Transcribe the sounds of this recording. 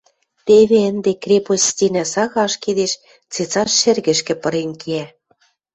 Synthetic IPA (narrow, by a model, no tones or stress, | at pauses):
t̪eβeə̆nd̪ekrʲepost̪ʲinæsɑɣɑʃked̪eʃ | t͡set͡sɑʃːĕrɣɘ̆ʃkɘ̆pɤ̆ɾenkiæ